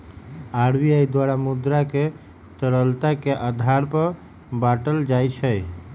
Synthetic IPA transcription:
aɾbiajd̪waɾamud̪ɾake | t̪əɾəlt̪akeʔad̪ʱaɾpə | baʈəld͡ʒajt͡ʃʰəj

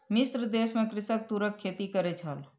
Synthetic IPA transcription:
mist̪ɾəd̪esmekɾisək̚t̪uɾəkʰːet̪ikəɾɛt͡ʃʰəl

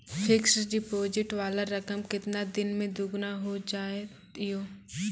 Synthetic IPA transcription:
pʰɪksɖɪpoːd͡ʒɪʈʋaːlaɾɐkəmkɪt̪nad̪ɪnmẽd̪ʊɡnaɦod͡ʒaːet̪ɪjoː

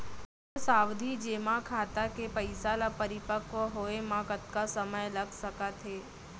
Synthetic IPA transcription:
saʋd̪ʱid͡ʒemãkʰat̪akepəjsalapəɾɪpəkʋəɦoemãkət̪̚kasəməjləɡsəkat̪ʰe

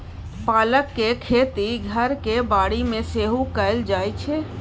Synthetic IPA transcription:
paːləkːekʰet̪iɡʱəɾkebaːɽimẽseɦukəɪld͡ʒaːjt͡ʃʰe

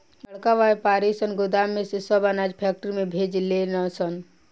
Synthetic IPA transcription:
ləɭkaʋajpaɾisənɡʊd̪amːesisəbanad͡ʒpʰɛk̚ʈɾimebʱed͡ʒlenəsən

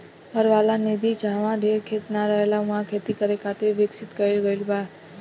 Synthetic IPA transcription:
ɦəɾʋalaned̪id͡ʒʱãʋãd̪ʱeɾkʰet̪naɾəɦelaũãkʰet̪ikəɾekʰat̪eʋɪksɪt̪kəelɡəilbad

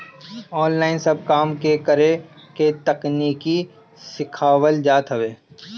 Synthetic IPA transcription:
ɔːnlaːɪnsɐb̚kaːmkekəɾeket̪ɐkniːki | sɪkʰaːwəld͡ʒaːt̪ɦɐʋeː

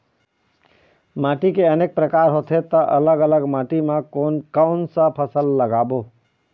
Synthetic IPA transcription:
maʈikeəneːk̚pɾəkaːɾɦot̪ʰet̪əʔələɡələɡmaːʈimãkoːnkaʊnsə̃pʰəsəlːəɡaːbo

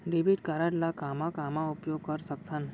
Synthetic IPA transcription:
ɖebiʈkaɾaɽlakamãkamãupjoɡkəɾsək̚t̪ʰan

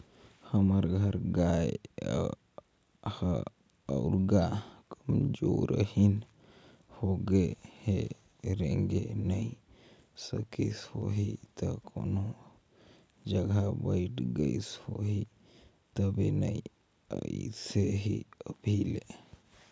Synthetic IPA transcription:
həməɾɡʱəɾɡaj | hə | aɾɡakəmd͡ʒoɾə̰hin | hoɡəhe | ɾẽŋɡenəi | səkisho̰ɦit̪əkʰo̰no | d͡ʒəɡʱabəiʈɡəishoɦi | t̪əbinəi | əiseɦiəbʱile

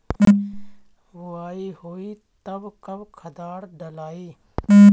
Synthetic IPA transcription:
hʊaːiːhoːiː | t̪əbkəbkʰəd̪aːɽɖəlaːiː

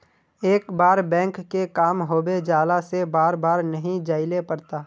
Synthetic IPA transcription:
eːkbaːɾbɛ̃ːŋkːekaːmɦoːbed͡ʒaːlasebaːɾbaːɾnɐɦĩd͡ʒaːɪlepɐɾt̪aː

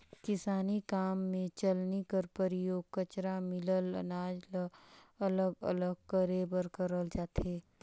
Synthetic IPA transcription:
kɪsaːnikaːmːẽt͡ʃəlnikəɾpəɾɪjoːɡ̚kət͡ʃɾamɪlələ̰naːd͡ʒlələɡə̰ləɡ̚kəɾeːbəɾkəɾəld͡ʒaːt̪eː

